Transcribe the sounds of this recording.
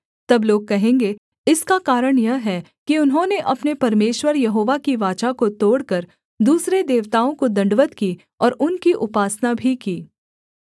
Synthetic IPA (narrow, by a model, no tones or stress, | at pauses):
t̪ɐbloːɡ̚kɐɦẽːŋɡe | ɪskakaːɾəɽ̃jɐɦɛ | kiʊnɦõneʔɐpnepɐɾmeːʃwəɾjɐɦoːʋakiʋaːt͡ʃakot̪oːɽkɐɾ | d̪uːsɾed̪eːʋt̪aːõkod̪ɐ̃ɳɖʋət̪kiː | ɔːɾʊnkiʔʊpaːsnabʱikiː